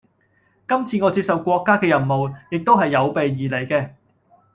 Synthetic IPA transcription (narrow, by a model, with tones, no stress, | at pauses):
kɐ˥mt͡sʰiː˧ŋɔ˨˧t͡siː˧p̚sɐ˨wkʷɔː˧kːaː˥kɛː˧jɐ˨˩nmo˨wjɪ˨k̚t̪o˥wɦɐ˨jːɐ˨˧wpe˨jːiː˨le˨˩jkɛː˧